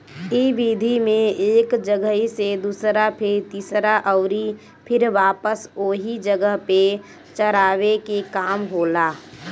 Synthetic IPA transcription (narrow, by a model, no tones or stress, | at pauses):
iːbiːd̪ʱimẽeːkd͡ʒəɡəɦised̪uːsɾapʰɪɾt̪iːsɾaʔɔʊɾi | pʰɪɾʋaːpəsoːɦid͡ʒəɡəɦpe | t͡ʃəɾaːʋekekaːmɦoːlaː